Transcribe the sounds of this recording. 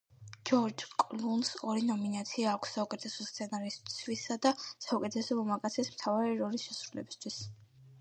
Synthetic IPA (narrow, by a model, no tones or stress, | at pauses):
d͡ʒɔɾd͡ʒkʼlunsɔɾinɔminat̪sʰiaːkʷʰsːaukʼɛt̪ʰɛsɔst̪sʰɛnaɾist̪sʰwisad̪asaukʼɛt̪ʰɛsɔmɔmakʼat̪sʰismt̪ʰavaɾiɾɔlisʃɛsɾulɛ̰bist̪ʰwis